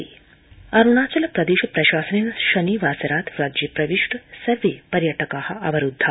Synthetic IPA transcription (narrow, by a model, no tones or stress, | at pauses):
ɐɾuɳat͡ʃɐlɐpɾɐd̪iɕɐpɾɐɕaːsənenɐʃɐniːʋaːsɐɾaːt̪ɾad͡ʒipɾɐʋiʂʈsɐɾʋiːpɐɾjɐʈəkahɐɐʋɐɾud̪ʱːa